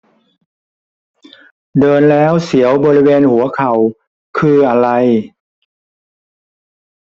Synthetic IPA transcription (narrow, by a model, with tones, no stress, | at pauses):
dɤː˧nlɛː˦˥wsi˩˦əwbɔː˧ɾi˦˥weː˧nhu˩˦ɐkʰa˨˩w | kʰɯː˧ʔa˧ɾa˧j